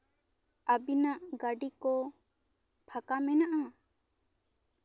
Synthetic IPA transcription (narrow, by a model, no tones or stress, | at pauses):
abinaʔɡaɖikɔ | pʰakamɛnaʔa